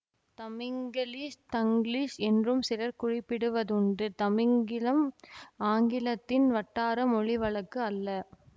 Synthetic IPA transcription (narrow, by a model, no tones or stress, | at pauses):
t̪ɐmɪŋɡɐliːʂt̪ɐŋɡɭiːʂɛndrɯmsɪlɐɾkʊrɪpːɪɽɯʋɐðʊɳɖɯt̪ɐmɪŋɡɪlɐmaːŋɡɪlɐt̪ːɪnʋɐʈːaːɾɐmɔɻɪʋɐɭɐkːɯɐlːɐ